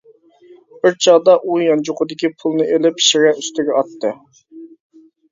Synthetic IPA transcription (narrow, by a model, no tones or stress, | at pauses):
bɪɾt͡ʃʰɑʁd̪ɑʔujɑnd͡ʒʊqʊd̪ɪkʲipʰulˠnɨʔelɪpʃɪʁʲɛyst̪ɪɡʲɛɑt̪ːɨ